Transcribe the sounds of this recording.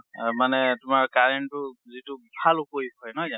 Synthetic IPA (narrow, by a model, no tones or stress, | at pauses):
manɛtʊmaɹkaɹentʊzitubʱalʊkojpʰɔjnɔjza